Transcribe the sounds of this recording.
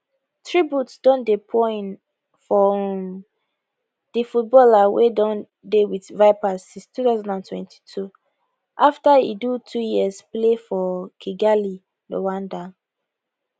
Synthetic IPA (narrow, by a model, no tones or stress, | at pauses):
tɹibjutsdɔ̃ndepʰɔ̃n | fɔ | d̥ifut̚bɔlawedɔ̃n | dewiθvaɪpazsĩnstuθazãndãntʰwɛ̰̃nti̥tʰu | ʔaftaḭdutʰujiəsplefɔkʰiɡali | lo̰wãnda